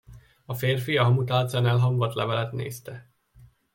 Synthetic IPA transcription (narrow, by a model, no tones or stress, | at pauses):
ɒfeːrfiɒɦɒmut̪aːlt̪sanɛlɦɒmvɒt̪lɛvɛlɛt̪nḛːst̪ɛ